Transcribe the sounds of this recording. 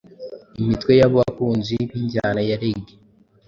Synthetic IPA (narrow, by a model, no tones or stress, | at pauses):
imitwejaβowakuːnziβiɲɟaːnajaɾeɡe